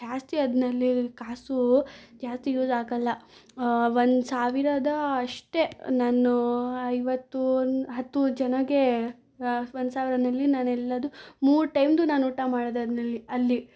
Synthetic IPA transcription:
ʃaːst̪iɐd̪nɐlːikaːsud͡ʒaːst̪ijuːzaːɡɐlːɐ | ʋond̪saːʋiɾɐd̪ɐːʂʈe̞naːnuɐjʋɐt̪ːuɦɐt̪ːud͡ʒɐnɐɡe | ʋond̪saːʋiɾɐnɐlːinaːnɛlːɐd̪umuːɾʈɐjmd̪unaːnuːʈamaːɽod̪eɐd̪nɐlːiɐlːi

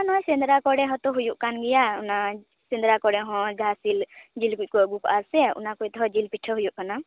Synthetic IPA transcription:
anɔjsɛnd̪ɾakɔɽɛɦɔ̃t̪ɔɦujuʔkanɡɛjauna | sɛnd̪ɾakɔɽɛɦɔ̃d͡ʒʱasild͡ʒilkuc̚ˀkɔəɡukɔʔaɾsɛṵnakujt̪ɔɦɔd͡ʒilpiʈʰəɦujuʔkana

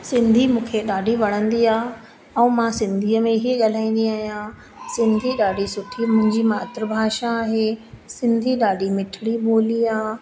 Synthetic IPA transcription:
sɪ̃nd̪ʱimũːkʰeɗaːɖʱiʋɐɽ̃ə̃nd̪iaː | ɛ̃umãsɪ̃nd̪ʱiːəmẽɦiəʄɐl̤aːĩːn̆d̪iaːɦijã | sɪ̃nd̪ʱiɗaːɖʱisʊʈʰimʊ̃ɦɪ̃ɲd͡ʑimaːt̪ɾəbʱaːʃaːɦeːsɪ̃nd̪ʱiɗaːɖʱimɪʈʰɪɽiɓoːliaː

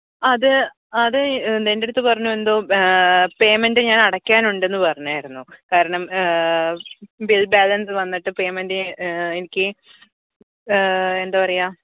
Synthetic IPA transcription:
ɐðɨ | ɐðɨd̪ende̞ɾut̪ːɨpɐrɐɲːue̞nd̪o̞ː | pe̞ːmendɨɲaːnɐɽɐkʲːaːnuɳɖe̞nːɨpɐrɐɲːuaːjiɾunːukaːɾɐɳɐm | bilbaːlɐnsɨʋɐnːiʈːɨpe̞ːmendɨenikʲːɨ | e̞nd̪aːpɐrɐjaː

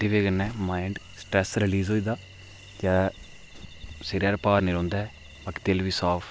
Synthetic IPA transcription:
dɪʋeɡənːɛːmaːɪɳɖ | sʈɾɛːsɾɪliːzɦoːiːd̪aː | d͡ʒaː | seɾjaːɾpaːɾniɾõːnd̪ɛː | bakt̪elʋiːsaːpʰ

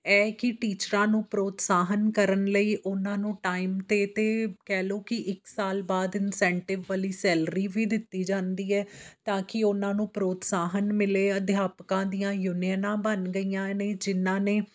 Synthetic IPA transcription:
ɛːkɪʈiːt͡ʃɾãːnũːpɾoːt̪saːɦənkəɾənləiːʔʊnãːnũːʈaːiːmt̪eːt̪eːkɛːloːkɪʔɪksaːlbaːd̪ɪnsɛ̃ːɳʈɪʋʋəliːsɛːlɾiːʋiːd̪ɪt̪ːiːd͡ʒãːnd̪iːɛːt̪ãːkɪʊnãːnũːpɾoːt̪saːɦənmɪleːəd̪ʱjaːpkãːd̪ijãːjuːnɪjənãːbənɡəijãːneːd͡ʒɪnãːneː

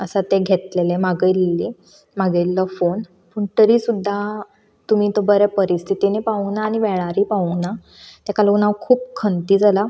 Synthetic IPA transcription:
əsat̪eɡʱet̪lelemaɡəjlːi | maɡəlːəfon | pəɳt̪əɾiːsud̪ʱːa | t̪um̤iːt̪obəɾɛpəɾist̪ʰit̪inepaʋunaːɽ̃iʋɛɭ̃aɾipaʋuna | t̪akalounaʋkʰuːp̚kʰənt̪iːd͡zala

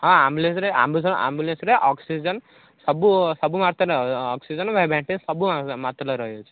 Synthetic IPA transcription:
ɦɔ̃ambjulẽnsɾea̰mbusa̰mbjulensɾeʔɔksid͡ʒən | sɔbusɔbumaɾt̪ɔɾeɔksid͡ʒənʋʱabʱɛ̃ɳʈinsɔbuamat̪ɾɔlɔɾɔɦjot͡ʃʰe̥

